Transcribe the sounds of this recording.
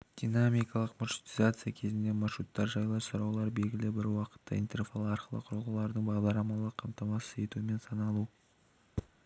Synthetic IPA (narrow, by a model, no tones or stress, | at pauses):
d̪̥ʲijnamijkɑlˠəqmaʃu̥t̪izat̪sɨjakʲʰe̞zɪnd̪e̞mɑʃɾut̪ːɑɾʒɑjlˠɑɾsɑɾɑwlˠɑɾbe̞lɡʲɪlɪbɪɾwɑqə̥t̪ːə̰ḭjnt̪e̞rfɑlˠɑɾqəlˠə̰qʰʊɾlˠʁəlˠɑɾd̪əɴbɑʁd̪ɑɾlˠɑmɑlˠəqʰːɑmt̪ɑmɑsəe̞t̪uɪme̞nsɑnɑlˠu